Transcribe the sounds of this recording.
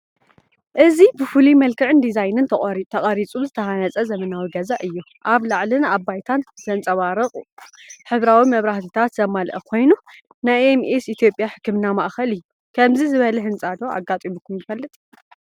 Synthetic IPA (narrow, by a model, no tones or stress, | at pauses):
ʔɨzibɨfɨlimɐlkʰɨʕɨnd̪izajnɨnt̪ʰɐχʼɾit̪ʰɐχʼɐɾit͡sʼuzɨt̪ʰɐhanɐt͡sʼɐzɐmɐnawiɡɐzaʔɨjːu | ʔaβlaʕlɨnabːajt̪ʰanzɐnt͡sʼɐβaɾɨχʼħɨβɾawimɐβɾaht̪ʰɨt̪ʰat̪zɐmalʔɐkʰo̞jnu | najemesit̪ʰjo̞pʼjaħɨ̥kʰːɨmɨnama̰ʔxɐlɨjːu | kʰɐmzizɨβɐlɐɦɨnt͡sʼad̪o̞a̰ɡat̪ʼimukʰːumjɪfɐlːɨt̪ʼ